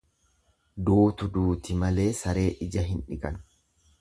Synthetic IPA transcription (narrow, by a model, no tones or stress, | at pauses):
d̪uːt̪ʊd̪uːt̪ɪmɐle̞ːsɐɾe̞ːʔɪd͡ʒɐɦɪnᶑɪkʼɐn